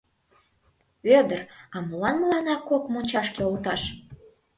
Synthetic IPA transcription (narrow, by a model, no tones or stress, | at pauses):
ød̪ərɑməlɑnməlɑnɑkokmonʲt͡ɕɑʃkeolt̪ɑʃ